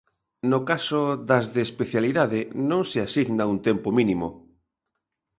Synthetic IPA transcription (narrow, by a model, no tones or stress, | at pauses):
nokasoðazðeːspeθjaliðaðɪnõŋseasiɣnaunt̪empominĩmo̰